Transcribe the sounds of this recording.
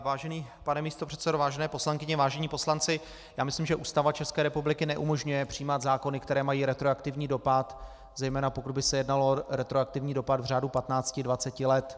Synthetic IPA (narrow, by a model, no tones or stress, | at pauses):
vaːʒɛniː | panɛmiːst̪o̞pr̝̥ɛt̪sɛdovaːʒɛnɛːpo̞slaŋkɪɲɛvaːʒɛɲiːpo̞slant͡sɪ | jaːmɪslimʒɛʔuːst̪avat͡ʃɛskɛːɾɛpublɪkɪnɛʔumo̞ʒɲujɛpr̝̥ɪjːmad̪zaːko̞nɪkt̪ɛɾɛːmajiːɾɛt̪ɾoakt̪ɪvɲiːdo̞pat̪ | zɛjmɛːnapokud̪bɪsɛjɛdnalo̞ɾɛt̪ɾoak̚t̪ɪvɲiːdo̞pat̪vr̝aːdupat̪naːt͡scɪdvat͡sɛcɪlɛt̪